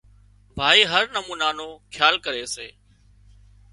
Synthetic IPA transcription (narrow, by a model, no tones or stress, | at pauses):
bʱaːiːɦəɾnəmuːnaːnoːkʰjaːlkəɾeːseː